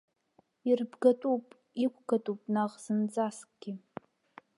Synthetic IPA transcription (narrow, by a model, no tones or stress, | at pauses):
irbɡatʼupʼ | ikʷʰɡatʼupʼnaʁz̥ɨnd͡zaskʼɡ̥ʲi